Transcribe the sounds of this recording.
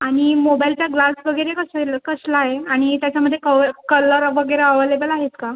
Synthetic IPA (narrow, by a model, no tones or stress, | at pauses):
aɽ̃imobajlt͡ɕjaɡlasʋəɡəɾekəselkəslaɦeaɽ̃it̪jat͡ɕaməd̪ʱːjekəkələɾʋəɡəɾeəʋəleʋəlaɦet͡ska